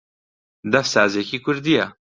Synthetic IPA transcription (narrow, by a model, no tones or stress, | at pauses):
d̪ɐfsaːzekiːkʰʊɾd̪ija